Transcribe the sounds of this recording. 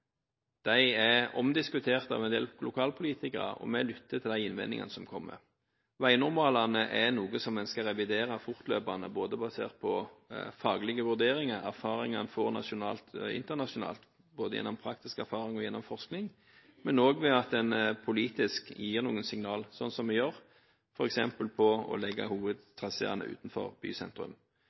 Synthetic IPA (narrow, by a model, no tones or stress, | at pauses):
d̪̥æɪæɔmd̪ɪskʉt̪ʰeːʁt̪ɑ̰ʋɛnd̪ḛːllʊkʰɑːlpʰʊliːt̪ɪkə̰ʁ̰ɔ̰mɛlʏt̪ːət̪ʰɪld̪æɪɪnʋɛ̰nɪ̰ŋɑ̰nəsɔmkʰɔmːə̰ɾ | ʋæɪnʊʁmɑːlɑnəʔɛnuːɡəsɔmːɛnskɑɾɛʋɪd̪eːɾɑfʊʁt̪lø̰ːpɑnə̰boːd̪əbɑsḛːʁt̪̚pʰɔfɑːɡlɪɡəʋʉʁd̪eːɾɪŋɑɾæʁfɑːɾɪŋɑnfɔʁnɑ̰ʃʊnɑːlt̪ɪ̰nt̪əʁnɑʂʊnɑ̰ːlt̪ | boːd̪əjɛ̰nːɔmpʰɾɑk̚t̪ɪskæɾfɑːɾɪŋɔjɛnːɔmfɔʁsknɪŋ | mɛnoːɡʋɛɑt̪̚d̪ɛnpʰʊliːt̪ɪskjiːʁnuːənsɪŋnɑːlsɔnsɔmʋɛjøɾ | fɔɾɛksɛmpəlpʰɔɔ̰lɛɡːɑ̰huːʋəd̪̚t̪ʰʁɑsə̰ɑ̰nə̰ʔʉ̰ːt̪n̩fɔ̰ʁb̥y̰ːsɛ̰nt̪ɾʉ̰m